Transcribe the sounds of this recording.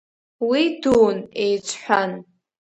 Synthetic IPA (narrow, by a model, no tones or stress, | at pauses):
widuːnejt͡sʷʼʰħʷᶣan